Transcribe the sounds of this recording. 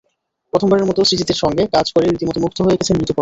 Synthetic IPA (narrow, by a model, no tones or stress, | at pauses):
pɾot̪ʰombaɾeɾmɔt̪osɾitit̪eɾʃɔŋɡekad͡ʑkoɾeɾit̪imot̪omuk̚t̪ʰoɦojeekʰet͡ɕʰenmɾit̪opo